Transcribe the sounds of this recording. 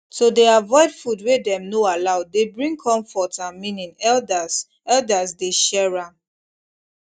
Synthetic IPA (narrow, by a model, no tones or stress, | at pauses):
sodeavɔɪdfudwedɛ̃mnoalaʊdebɹĩŋkʰɔ̃ɱfɔtãnmĩnĩŋɛldas | ɛldasdeʃɛɹãm